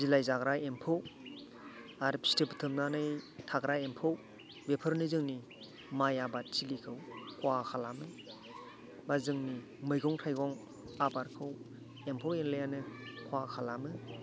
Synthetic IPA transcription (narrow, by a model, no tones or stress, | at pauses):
zilajzaɡɾajempʰɯw | aɾpʰi̥stepɯ̥tʰɯmnanɯjtʰaɡɾaempʰɯw | bepʰɯɾnɯzɯŋni | majabat̚silikʰɯwkʰwakʰalamɯ | bazɯŋni | mɯjɡɔŋtʰajɡɔŋ | abaɾkʰɯw | empʰɯwenlɯjanɯkʰwakʰalamɯ